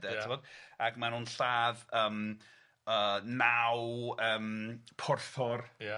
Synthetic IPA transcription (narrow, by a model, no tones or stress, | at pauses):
dɛɪmɔːd̥akmanuːnɬaːðəːm | əːnawəːmpʰʊrθɔr